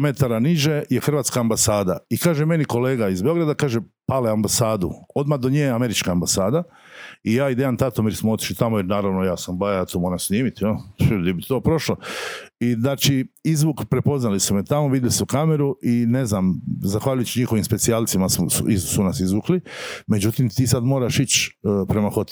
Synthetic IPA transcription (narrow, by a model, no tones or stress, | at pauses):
me̞t̪aɾaniʒejexɾr̩ʋaːt̪skaːmbasaːd̪a̰ikaːʒeme̞niko̞le̞ːɡaizbeo̞ɡɾad̪akaːʒepaleambasaːd̪ṵo̞d̪mad̪oɲeːame̞ɾit͡ʃkaːmbasaːd̪a | ijaːid̪eant̪at̪omiɾsmoo̞t̪iʃlit̪amojeɾnaːɾaʋnojaːsambajajat̪oːmoːɾamsniːmit̪jolid̪ibit̪o̞ːpɾo̞ʃlaiznaːt͡ʃiizʋukpɾe̞po̞znalisumet̪amoʋid̪jeliseukame̞ɾuʔineznamzaxʋaːʎujt͡ɕɲixoʋimspet̪sialsimassṵizsunasizʋuklime̞d͡ʑut̪imt̪iːsad̪moːɾaʃit͡ɕpɾe̞maxo̞t̪